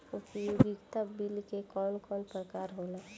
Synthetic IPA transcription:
ʊpibiɡt̪abilkekɔːnkɔːnpɾəkaːɾɦoːlaː

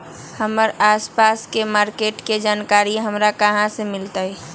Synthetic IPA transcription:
həməɾaːspaːskemaːɾkeːʈked͡ʒaːnkaːɾiɦəmɾakəɦãsemɪlt̪ai

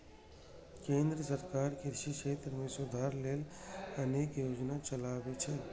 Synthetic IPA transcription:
kẽːnd̪ɾəsəɾkaːɾkiɾʃiʃeːt̪ɾmẽsʊd̪ʱaːɾleːləneːkjoːd͡ʒnat͡ʃəlaːwet͡ʃʰɛː

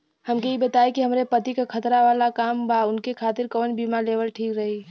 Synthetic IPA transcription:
həmkeibət̪aikiɦəmɾepət̪ikekʰət̪ɾaʋalakambaʊnkekʰat̪ɪɾkonbimalebəlʈʰiːkɾəɦi

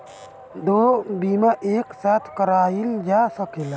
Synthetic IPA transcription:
d̪oːbimaʔeːksat̪ʰkəɾaːjild͡ʒasəkela

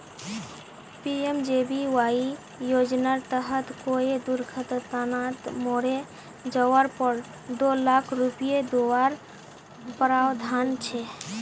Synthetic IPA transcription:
piemd͡ʒebiwai | jod͡ʒnaɾt̪əɦət̪koed̪uɾɡʱət̪t̪nat̪moɾe | d͡ʒəʋaɾpəɾ | d̪olakʰɾupijed̪owaɾ | pəɾawd̪ʱant͡ʃʰɛ

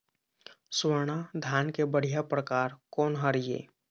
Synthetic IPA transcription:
swəɾɳad̪ʱjaːnkebəɽ̤ijapɾəkaːɾkɔːnɦəɾijḛː

